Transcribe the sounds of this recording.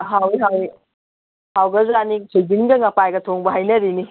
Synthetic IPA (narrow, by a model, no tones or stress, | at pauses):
ɦawiɦaw | hawɡɐzɾanisʰuziŋɡɐŋɐpajɡɐtʰoŋbɐɦajnɐɾini